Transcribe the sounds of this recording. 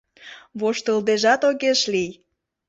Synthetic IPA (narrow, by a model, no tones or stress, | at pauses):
βoʃt̪əld̪eʒɑt̪oɣeʃlij